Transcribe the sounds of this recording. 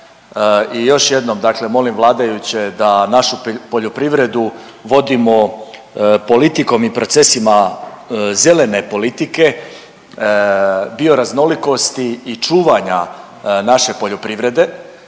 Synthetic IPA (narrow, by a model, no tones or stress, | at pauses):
ijo̞ʃje̞d̪no̞md̪aːkle̞mo̞limvlˠaːd̪ajut͡ɕe̞d̪anaʃupo̞ʎopɾiʋɾe̞d̪u | ʋo̞d̪imo̞ | po̞lit̪iko̞mipɾo̞t̪sesima | ze̞le̞ne̞po̞lit̪ike̞ | bio̞ɾazno̞liko̞st̪iːt͡ʃuːʋaɲa | naʃe̞po̞ʎopɾiʋɾe̞d̪e̞